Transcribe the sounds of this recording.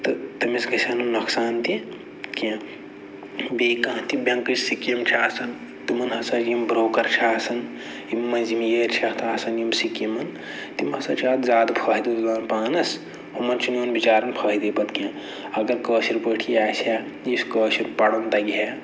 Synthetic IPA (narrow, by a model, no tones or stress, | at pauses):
t̪ɨt̪ɐmisɡɐsʲaːnɐmnɐksaːnt̪ĩ | kẽ | beːkɐ̃ɦt̪ibʲɐ̃ŋkɨt͡ʃsikimt͡ʃʲʰaːsɐn | t̪imɐnɦɐsɐd͡ʒjimbɾoːkɐɾt͡ʃʰaːsɐn | imːɐnzimjeːɾt͡ʃʰɐt̪ʰaːsɐnjimsikimɐn | t̪imhɐsɐ̰t͡ʃʰaːd̪zaːd̪pʰaːɦid̪it̪zaːnpaːnɐs | humɐnt͡ʃʰinuːnbit͡ʃaːɾɐnpʰɐːɦid̪eːpɐt̪kʲẽ | ɐɡɐɾkəːʃiɾpəʈʰijaːsʲaː | jiskəːʃiɾpɐɽɐnt̪ɐɡʲe